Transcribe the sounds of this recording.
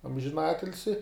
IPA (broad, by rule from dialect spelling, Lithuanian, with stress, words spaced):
ɐmʲʒʲɪˈnɑːtʲɪlʲsʲɪ